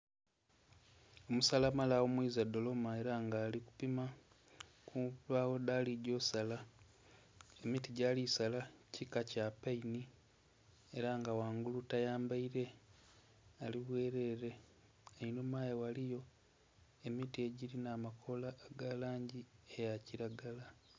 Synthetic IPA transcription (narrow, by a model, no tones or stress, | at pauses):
o̞musalamalawomwiːzado̞lo̞mae̞ɾaŋɡaːliku̥pima | kulaɣo̞dalidjo̞sala | e̞mitiɟalisalacikacapaini | e̞ɾaŋɡawaːŋɡulutajaːmbaiɾe̞ | aliβwe̞ːɾe̞ɾe̞ | einomaːjewalijo̞ | e̞mitie̞ɟiɾinaːmakʰo̞laːɡalaːɲɟiejaciɾaɡala